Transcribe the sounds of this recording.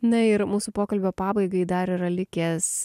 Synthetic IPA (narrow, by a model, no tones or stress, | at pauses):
nɐɪɾmuːsupoːkɐlʲbʲoːpɑːbɐɪɡɐɪd̪ɐɾɪɾɐlʲɪkʲeːs